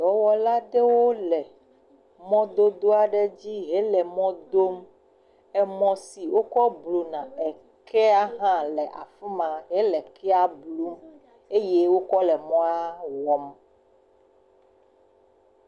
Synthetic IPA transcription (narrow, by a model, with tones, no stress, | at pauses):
dɔ˨˦wɔ˦la˦ɖɛ˦wo˦lɛ˨ | mɔ̃˦d̪o˦d̪o˦a˨ɖɛ˦d͡ʑi˦ɦe˦lɛ˨mɔ̃˦d̪o˦m | ɛ˦mɔ̃˨si˨wo˦kɔ˦blu˨nã˨ɛ˨ | kɛ˦a˦ɦã˦lɛ˨ʔa̰˨fu˦mã˨ɦe˦lɛ˨kʰɛ˦a˦blu˦m | e˦je˦wo˦kɔ˦lɛ˨mɔ̃˦a˦wɔ˦m